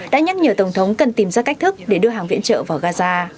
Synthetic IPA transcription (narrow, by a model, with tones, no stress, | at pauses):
ɗa̰ː˧˥ɲa˦˥t̚ɲəː˨˩t̪ə˧˩wŋ͡mt̪ʰə˨˦wŋ͡mkə˨˩nt̪i˨˩mzaː˧ka˦˥k̟̚t̪ʰɨ˦˥k̚ɗe˧˩ɗɨ˧əɦaː˨˩ŋvḭ˧˥ənt͡ɕə̰ː˧˨vaː˨˩wɣaː˧zaː˧